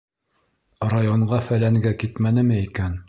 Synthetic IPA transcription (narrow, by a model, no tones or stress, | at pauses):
rajoɴɢɑfælæŋɡækit̪mænɘ̆mɘikæn